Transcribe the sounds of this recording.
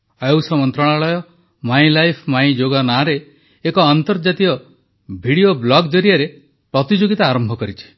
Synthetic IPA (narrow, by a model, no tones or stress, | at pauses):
awsɔmɔnt̪ɾɔɭ̃aɭɔjɔ | maĩlajpʰmaj̃d͡ʒoɡanaɾeː | kɔant̪ɔɾd͡ʒat̪iɔ | bʱiɽijoblɔɡd̪ɔɾiaɾe | pɾɔt̪id͡ʒoɡit̪aːɾɔmbʱɔkɔɾit͡ʃʰi̥